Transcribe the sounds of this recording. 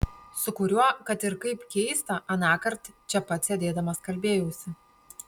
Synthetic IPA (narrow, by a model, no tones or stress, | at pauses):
sʊkʊɾʲuɔkɐt̪ɪɾkɐɪpkʲɛɪst̪ɐʔɐnɑːkɐɾt̪t͡ʃʲɛpɐt̪ʲsʲɛd̪ʲeːd̪ɐmɐskɐlʲbʲeːjʊsʲɪ